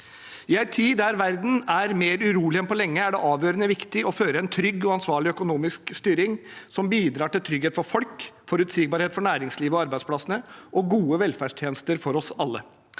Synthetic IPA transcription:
ɪæɪt̪ʰiːd̪æɾʋæɾd̪n̩æɾmeːɾʉɾuːlɪɛnpɔlɛŋːəæɖɛʔɑːʋjøːɾənəʋɪkt̪ɪʔɔføːɾəɛnt̪ʰɾʏɡːɔɑnsʋɑːɭɪœkʊnuːmɪskst̪yːɾɪŋsɔmbiːd̪ɾɑːʈɪlt̪ʰɾʏɡheːt̪fɔɾfɔlkfɔɾʉt̪sɪɡbɑɾheːt̪fɔɳæːɾɪŋsliːʋəɔɑɾbæɪd̪splɑsənəʔɔɡuːəʋɛlfæːʂʈʰjeːnəst̪əɾfɔɾɔsɑlːə

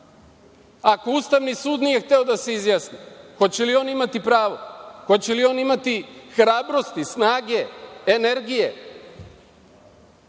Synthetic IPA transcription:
ako̞ust̪aʋnisuːd̪nije̞xt̪e̞o̞d̪ase̞izjaːsnixo̞t͡ɕe̞lio̞ːnimat̪ipɾaːʋo̞xo̞t͡ɕelio̞nimat̪ixɾaːbɾo̞st̪isnaːɡe̞ːneɾɡije̞

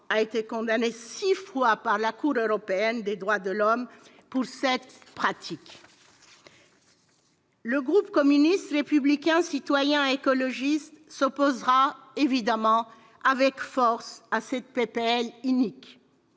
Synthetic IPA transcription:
aet̪ekɔ̃d̪anesifwapaʁlakuʁøʁɔpeɛnd̪ed̪ʁwad̪əlɔm | puʁsɛt̪pχat̪ʰik | ləɡʁupkɔmynist̪ʁepyblikʲɛ̃sit̪wajɛ̃ekɔlɔʒist̪sɔpozʁa | evid̪amɑ̃ | avɛkfɔʁsasɛt̪̚pepeɛlynik

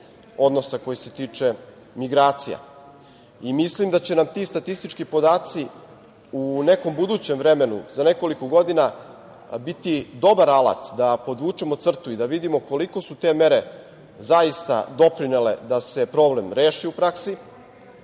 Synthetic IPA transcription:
o̞d̪no̞sako̞jise̞t̪iːt͡ʂe̞ | miɡɾaːt̪sija̰ | imislimd̪at͡ɕe̞namt̪iːst̪at̪ist̪it͡ʃkipo̞d̪aːt̪si | une̞ko̞mbud̪uːt͡ɕe̞mʋvɾe̞me̞nṵzane̞ko̞likoɡo̞d̪ina | bit̪id̪o̞baɾalˠa̰t̪d̪apo̞d̪ʋuːt͡ʂemot̪sr̩t̪uid̪aʋid̪imo̞ko̞liko̞sut̪e̞ːme̞ɾe | zaist̪a̰d̪o̞pɾinele̞̰d̪ase̞pɾo̞ːble̞mɾeːʃiupɾaksi

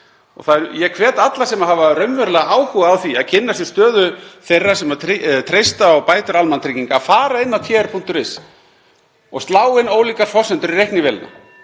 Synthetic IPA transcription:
ɔ̰ɣθaɛɾjɛkʰvɛːt̪at̪lasɛmahavaɾœɥmvœɾlɛɣaaːwhuɣaawθia̰ðcʰɪnːasjɛ̥st̪œːðʏθejrːasɛmaɾit̪ʰɾejst̪aɔɣpaːjt̪ʏɾalmant̪ʰɾiːciŋkaːfaːɾaɪnːawt̪ʰjɛːɾpʰun̥t̪ʏɾvɪs | ɔ̰ɣst̪laːwɪnoːwliːkaɾ̥fɔsɛnt̪ʏɾiɾejhknɪvɛlna̰

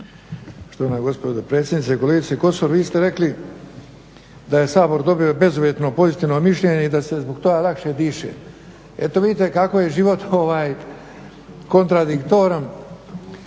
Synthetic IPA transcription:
ʂt̪onaɡo̞spod̪opɾet̪sjed̪nit̪sekole̞ɡit̪seko̞soɾʋiːst̪e̞ɾe̞kli | d̪aje̞saːbo̞ɾd̪o̞bio̞be̞zuʋjet̪no̞po̞zit̪iːʋno̞miʃʎeɲeid̪ase̞zboɡt̪o̞ɡalˠakʃed̪iːʃḛ | et̪oʋid̪iːt̪e̞kakoje̞ʒiʋo̞t̪o̞ʋaːj | ko̞nt̪ɾad̪ikt̪oːɾa

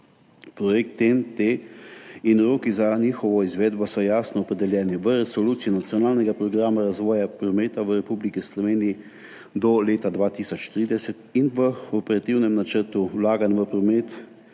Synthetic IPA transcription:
pɾɔjɛk̚t̪ɛnt̪e | inɾoːkizaniːxɔʋɔizʋeːd̪bɔsɔjaːsnɔːpɾɛd̪ɛljɛːniʋəɾɛsɔluːt̪siinat̪sijɔnaːlnɛɡapɾɔɡɾaːmaɾazʋɔːjapɾɔmeːt̪aʋəɾɛpublikislɔʋeːnii | d̪ɔleːt̪ad̪ʋaːt̪iːsɔt͡ʃt̪ɾid̪ɛsɛt̪inʋəɔpɛɾat̪iwnɛmnat͡ʃəɾt̪uwlaːɡanʋəpɾɔmɛːt̪

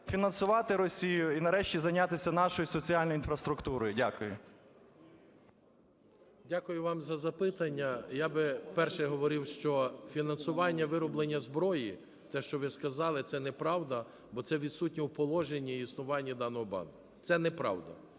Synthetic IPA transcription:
fʲinɐnsʊʋɑt̪ɪɾɔsʲijʊjʊinɐɾɛʃtʲizɐjnʲat̪ɪsʲɐnɑʃɔjʊsɔt͡sʲiɑlʲnɔjinfɾɐst̪ɾʊkt̪uɾɔjʊdʲakʊjʊ | dʲakʊjʊʋɑmzɐzɐpɪt̪ɐnʲːɐjabɪpɛrʃɛɦɔʋɔɾɪwʃt͡ʃɔfʲinɐnsʊʋɑnʲːɐʋɪɾɔblˠenʲːɐzbɾɔji | t̪ɛʃt͡ʃɔʋɪskɐzɑlˠɪt̪sɛnɛpɾɑwd̪ɐ | bɔt̪sɛʋʲid̪sut̚ʲnʲiwpɔlˠɔʒenʲːɐisnʊʋɑnʲːid̪ɑnɔɦɔbɑ̰nkʊ | t̪sɛnɛpɾɑ̰wd̪ɐ̰

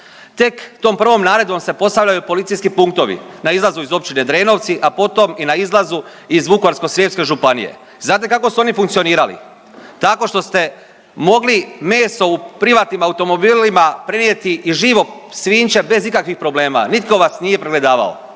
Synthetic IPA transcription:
t̪e̞kt̪o̞ːmpr̩ʋo̞mnaːɾe̞d̪ʋo̞mse̞po̞st̪aʋʎajupo̞lit̪sijskipuŋkt̪o̞ʋḭnaizlˠazuizo̞p̚t͡ʃine̞d̪ɾe̞ːno̞ʋt̪siʔapo̞t̪o̞minaizlˠazu | izʋukoaɾsko̞sɾjepske̞ʒupanḭje̞̰ | znaːt̪̬ekako̞suo̞nifuŋkt̪sio̞niːɾalḭ | t̪ako̞ʃt̪o̞st̪e̞ | mo̞ɡlime̞ːso̞upɾiʋaːt̪nimaut̪o̞mo̞biːlimapɾe̞njet̪iʔiʒiːʋo̞ | sʋiːnt͡ʃe̞be̞zikakʋixpɾo̞ble̞ːma̰nit̪ko̞ʋasnije̞pɾeɡle̞d̪aːʋa̰o̰

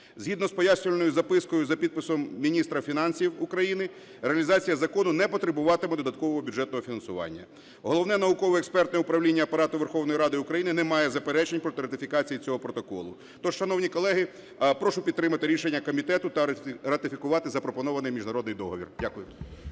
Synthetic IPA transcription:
zɦid̪nɔspɔjasʲnʲɔʋlʲenɔjʊzɐpɪskɔjʊzɐpʲid̪̚pɪsɔmmʲinʲist̪ɾɐfʲinɑnʲsʲiwʊkɾɐjinɪ | ɾeɐlʲizɑt͡sʲijɐzɐkɔnʊnɛpɔt̪ɾebʊʋɑt̪ɪmɛd̪ɔd̪ɐt̪̚kɔʋɔɦɔbʲudd͡ʒɛt̪nɔɦɔfʲinɐnsʊʋɑ̰nʲːɐ̰ | ɦɔlˠɔwnɛnɐʊkɔʋɔɛkspɛrt̪nɔjɛʊpɾɐwlʲinʲːɐːpɐɾɑt̪ʊʋerxɔwnɔjɾɑd̪ɪʊkɾɐjinɪnɛmɑjɛzɐpeɾɛt͡ʃenʲpɾɔt̪ɪɾɐt̪ɪfʲikɑt͡sʲijit͡sʲɔɦɔpɾɔt̪ɔkɔ̰lˠʊ | t̪ɔ̥ʃɐnɔwnʲikɔlˠɛɦɪ | pɾɔʃʊpʲid̪t̪ːɾɪmɐt̪ɪɾʲiʃenʲːɐkɔmʲit̪ɛt̪ʊt̪ɐɾɐt̪ɪfʲikʊʋɑt̪ɪzɐpɾɔpɔnɔʋɐnɪjmʲiʒnɐɾɔd̪nɪjd̪ɔɦɔʋʲḭrdʲakʊjʊ

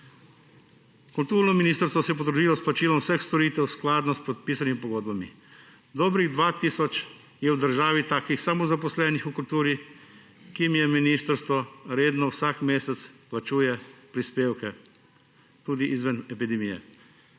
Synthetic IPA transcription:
kult̪uːɾnɔminiːst̪əɾst̪ʋɔsɛjɛp̬ɔd̪ɾud̪iːlɔsplat͡ʃiːlɔmwsɛxst̪ɔɾiːt̪ɛwsklaːd̪nɔspot̪̚piːsanimipɔɡoːd̪bamḭ | d̪oːbɾiɣd̪ʋaːt̪iːsɔt͡ʃ | jɛwd̪əɾʒaːʋit̪aːkixsamɔzapɔslɛnixukult̪uːɾi | kimjɛminist̪əɾst̪ʋɔɾeːd̪nɔwsakmeːsɛt̪splat͡ʃuːjɛpɾispeːwkɛ | t̪uːd̪iʔizʋanɛpid̪ɛmijɛ̰

